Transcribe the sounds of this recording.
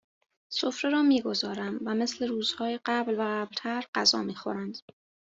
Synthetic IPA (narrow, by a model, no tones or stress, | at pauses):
so̞fɾeɾɒːmiːɡo̞zɒːɾæmvæme̞sle̞ɾuːz̥hɒːjeɢæblvæɣæblt̪ʰæɾɢ̥æzɒ̰ːmiːxo̞̰ɾænd̪̥